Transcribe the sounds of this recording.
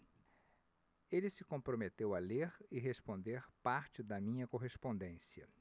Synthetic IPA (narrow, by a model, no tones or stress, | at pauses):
elɪsɪkõpɾomet̪ewɐleɾɪɦespõnd̪eɾpaɾt͡ʃɪd̪ɐmĩɲɐkoɦespõnd̪ẽsiɐ̰